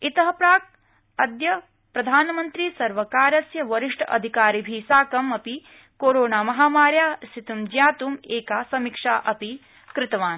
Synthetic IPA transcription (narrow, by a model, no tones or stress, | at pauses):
it̪ɐɦɐpɾaːk̚ | ɐd̪jɐ | pɾɐd̪ʱaːnɐmɐnt̪ɾiːsɐɾʋɐkaːɾɐsjɐʋɐɾiʂʈʰɐʔɐ̰d̪ʱikaːɾibʱiːsaːkɐmɐpi | koːɾoːnaːmɐɦaːmaːɾjaːst̪ʰit̪umd͡ʒjaːt̪umeːkaːsɐmikʂa̰ːʔɐpi | kɾɪt̪ɐʋaːn